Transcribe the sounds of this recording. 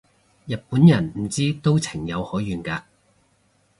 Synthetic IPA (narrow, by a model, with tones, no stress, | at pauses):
jɐ˨t̚puː˨˥njɐ˨˩nm̩˨˩t͡siː˥t̪o˥wt͡sʰɪ˨˩ŋjɐ˨˧whɔː˨˥jyː˨˧nkaː˧